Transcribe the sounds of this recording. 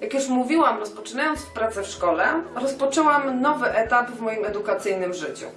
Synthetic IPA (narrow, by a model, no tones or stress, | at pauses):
jakjuʂmuvʲiwamɾɔspɔt͡ʂɘnajɔnt̪fpɾat̪sɛfʂkɔlɛɾɔspɔt͡ʂɛwamnɔvɘʔɛt̪apvmɔjimɛd̪ukat̪sɘjnɘmʐɘt͡ɕṵ